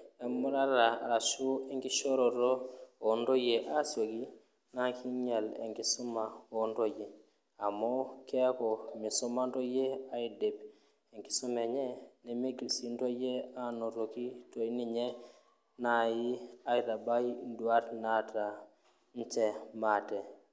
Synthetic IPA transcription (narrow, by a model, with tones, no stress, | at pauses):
e˨mu˦ɾa˦ɾa˨a̰˨ɾa˨ʃu˦e˦ŋki˦ʃo˦ɾo˨ɾo˦o˨ndo˦je˨ʔa˦sio˨ki˦ | na˦ki˦ɲa˨lḛ˨ŋki˦su˦ma˨o˨nɾo˦je˨ | a˨mo˦ke˦ko˨mi˨su˦ma˦nto˦je˦a˦ide˨b | e˨ŋki˨su˦me˨ɲe˦ne˨me˦ɡi˨lsi˨nto˦je˦a˦no˨ɾo˨ki˦to˨i˦ni˨ɲe˦ | na˨ji˦a˦i˨ɾa˨ba˦indu˨a˦ɾna˦ta˨ | ɲ̩˦t͡ʃe˨mate˨